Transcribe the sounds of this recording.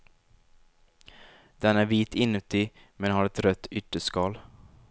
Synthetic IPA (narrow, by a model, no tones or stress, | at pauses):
d̪̥ɛnæːɾviːt̪ʰɪnːʉt̪ɪ | mɛnɦɑɾɛt̪ɾœt̪ʰːʏʈ̪ːəskɑːl